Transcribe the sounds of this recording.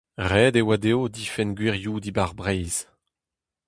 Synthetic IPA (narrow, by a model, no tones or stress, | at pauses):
ʁɛːd̪ewad̪eod̪ifɛnɡwiʁjud̪ibaʁbʁɛjz̥